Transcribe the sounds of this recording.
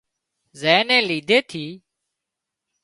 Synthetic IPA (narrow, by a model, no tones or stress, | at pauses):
zeːnẽːliːd̪ʱeːt̪ʰiː